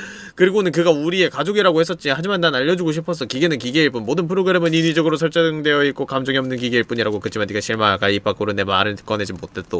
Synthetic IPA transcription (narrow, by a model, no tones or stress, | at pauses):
kɯɾiɡonɯnkɯɡauɾie̞kad͡ʑoɡiɾaɡohe̞s͈ʌt̚t͡ɕ͈ihad͡ʑimanːanaʎːʌd͡ʑuɡoɕʰipʰʌs̬ʰʌkiɡe̞nɯnkiɡeiɭp͈unmodɯnpʰɯɾoɡɯɾe̞mɯninid͡ʑʌɡɯɾosʰʌɭt͡ɕ͈ʌŋdwe̞jʌitk͈okamd͡ʑʌŋiʌmnɯnkiɡe̞iɭp͈uɲiɾaɡokɯt͡ɕʰimaniɡaɕʰiɭmaakaip͈ʰak͈uɾɯnemaɾɯk͈ʌned͡ʑimotʰe̞t͈o